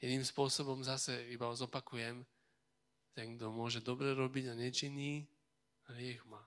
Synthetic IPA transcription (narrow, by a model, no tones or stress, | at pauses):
jɛd̪niːmspʊɔsɔbɔmzasɛibaɔzɔpakujɛm | t̪ɛŋɡ̚d̪ɔmʊɔʒɛd̪ɔbɾɛɾɔbiɟaɲɛt͡ʃiɲi | lɪɛɣmaː